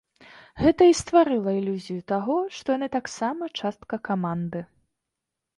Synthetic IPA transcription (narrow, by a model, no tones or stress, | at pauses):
ɣɛt̪ɐist̪vaɾɨlˠɐilʲuzʲijut̪aɣɔʂt̪ɔjanɨt̪aksamɐt͡ʂast̪kɐkamand̪ɨ